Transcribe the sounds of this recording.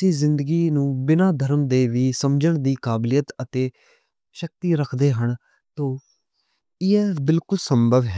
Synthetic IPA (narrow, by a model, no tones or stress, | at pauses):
siːzɪnd̪əɡiːnũːbɪnãːd̪ʱəɾəmd̪eːʋiːsəmd͡ʒəɳd̪iːkaːblɪjət̪ət̪eː | ʃək̚t̪iːɾəkʰd̪eːɦəɳ | t̪õː | ɪɛːbɪlkʊlsəmbʱəʋɦɛː